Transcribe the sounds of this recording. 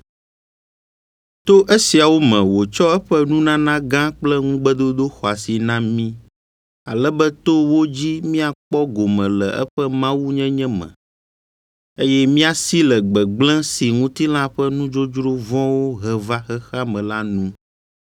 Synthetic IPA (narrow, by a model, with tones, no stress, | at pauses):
t̪o˦ʔe˦si˨a˨wo˦mɛ̃˨wo˨t͡ʃɔ˦ɛ˦ɸɛ˦nũ˦nã˦nã˦ɡã˦k͡plɛ˦ŋũ˦ɡ͡bɛ˦d̪o˦d̪o˦xɔ˨a˨si˨nã˦mĩ˦ | a˨lɛ˦bɛ˦t̪o˦wo˦d͡ʑi˦mĩ˦a˨k͡pɔ˦ɡo˨mɛ̃˨lɛ̰˨ʔɛ̰˦ɸɛ˦mã˦wu˦ɲɛ̃˦ɲɛ̃˦mɛ̰̃˨ | e˦jɛ˦mĩ˦a˨si˦lɛ˨ɡ͡bɛ˨ɡ͡blɛ̃˦si˨ŋũ˦t̪i˦lã˦ɸɛ˦nũ˦d͡ʒo˦d͡ʒɾo˦vɔ̃˦wo˦ɦɛ˨va˦xɛ˦xa˦mɛ̃˨la˦nũ˦